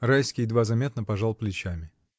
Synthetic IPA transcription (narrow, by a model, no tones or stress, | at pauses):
rajskʲɪjd̪vazɐmʲe̞t̪nəpɐʐalˠplʲɪt͡ɕamʲɪ